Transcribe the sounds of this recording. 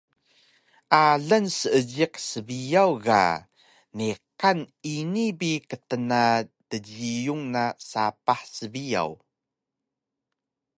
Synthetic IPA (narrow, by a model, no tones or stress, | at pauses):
ʔaɮənsəəɟiqsəbijawɣa̰ | niqaninibikətənatəɟijuŋnasapaħsəbija̰w